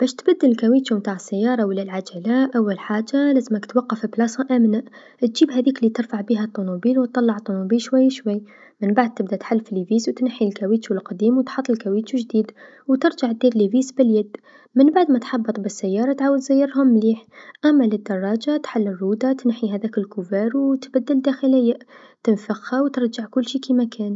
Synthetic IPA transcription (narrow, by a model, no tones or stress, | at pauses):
b̥æːʃt̪bad̪ːɪllkæwiːt̪umt̪aːʕɪsːajːɑːɾˤɑwɪlːalʕad͡ʒalaʔawːalħaːd͡ʒalæzmakt̪wɑqːɑfblɑːsɑʔamnaʔ | t̪ʒ̥iːbhæðiːklːit̪ɪɾfaʕbiɦat̪ˤːunubiːlwt̪ːˤɑlːɑʕt̪ˤːunubiːlʃwajːʃwajː | mɪnbaʕd̪̚t̪ɪb̚d̪at̪ħalːfliviːzwt̪nħːilkæwiːt̪t͡ʃulqɑd̪iːmwt̪ħɑt̪ˤːɪlkæwiːt̪uʒd̪iːd̪ | wt̪ɪɾʒaʕt̪̚d̪iːɾliviːzbɪljæd̪ː | mənbaʕd̪mæt̪ħɑbːɨt̪ˤbɪsːajːɑːɾˤɑt̪ʕaːwəd̪zæjːɑɾɦʊmːliːħʔæmːælɪd̪ːɑrˤːɑd͡ʒat̪ħalːɪrːuːd̪at̪nħiɦæðækɪlkʊvæːɾwt̪bæd̪ːɪld̪æxɪlɪjːa | t̪ɪnfəxhæwt̪əɾˤʒaʕkʊlːʃikimækʰæːn